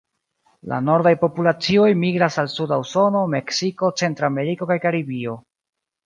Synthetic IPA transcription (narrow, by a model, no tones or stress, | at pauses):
la̰no̞ɾdajpo̞pulat͡sio̞jmiɡɾasalsudawso̞no̞me̞ksiko̞t͡se̞ntɾame̞ɾiko̞kajkaɾibio̞